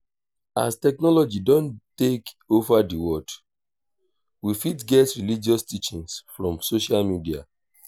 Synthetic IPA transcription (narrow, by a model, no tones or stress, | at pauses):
astɛknɔlɔd͡ʒidɔ̃ntek | ovadiwɔd̥ | wifitɡɛtɹilid͡ʒɔstit͡ʃĩŋsfɹɔ̃msoʃalmidia̰